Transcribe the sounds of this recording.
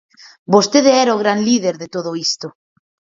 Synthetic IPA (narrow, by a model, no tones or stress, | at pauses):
bost̪eðeɛɾaoɣ̞ɾanliðeɾðet̪oðoist̪o